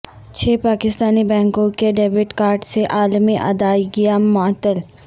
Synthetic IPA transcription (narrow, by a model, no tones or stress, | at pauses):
t͡ʃʰeːpaːkɪst̪aːnibɛ̃ːŋkõkeɖeːbɪʈkaːɾʈseʔaːlmiʔɐ̰d̪aːiɡɪjamɔt̪ːəl